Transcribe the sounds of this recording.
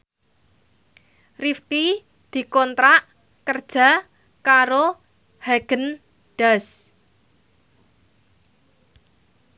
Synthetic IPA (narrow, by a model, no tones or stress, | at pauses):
rifki | d̪̥i̤kɔnt̪ɾaʔ | kərd̥ʒ̥ä̤ | kaɾo | haɡ̥ən | ɖ̥as